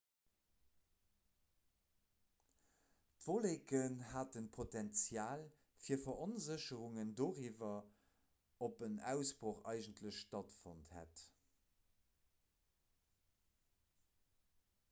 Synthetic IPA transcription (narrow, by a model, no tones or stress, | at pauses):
tv̥oleːkənhaːtənpʰotɛnt͡sjaːl | fiːɐfɐʔonzəɕəʁuŋəndoːʁiːvɐ | opənæ̰ʊsb̥ʁoːχɑ̰ɪʒəntʰləɕtɑtfo̰nthæ̰t